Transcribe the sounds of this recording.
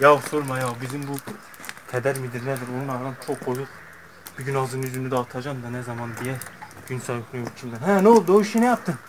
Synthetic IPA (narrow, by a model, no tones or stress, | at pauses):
jawsoɾmɑjawbizimbu | t̪ʰɛd̪æɾmid̪iɾnɛd̪iɾonunɑɾɾɑnt͡ʃʰok̚bojuq | b̥iɟynɑzɯnyzynyd̪ɛːt̪ʰɑd͡ʒɑmd̪ɑnɛzɑmɑnd̪ijɛ | ɡ̥ynsɑjoknujoɾt͡ʃʰind̪ænɦænolˠd̪uoiʃinɛjɑp̚t̪ʰɯm